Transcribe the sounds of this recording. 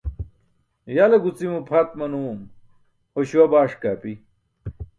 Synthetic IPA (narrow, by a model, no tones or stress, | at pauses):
jalɐɡut͡simupʰɐt̪̚mɐnum | hoɕuwɐbaːʂkaːpi